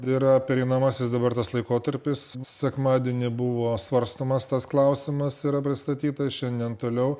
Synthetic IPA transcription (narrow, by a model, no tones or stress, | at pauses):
iːɾɐpʲɛɾʲɛɪnɐmɐsʲɪsd̪ɐbɐrt̪ɐslˠɐɪkoːt̪ɐɾʲpʲɪssʲɛkmɑːd̪ʲiɛnʲɪbʊʋoːsʋɐɾst̪oːmɐst̪ɐsklˠɐʊsʲɪmɐsiːɾɐpʲɾʲɪst̪ɐt̪ʲiːt̪ɐʃʲɛnʲd̪ʲɛnt̪oːlʲɛʊ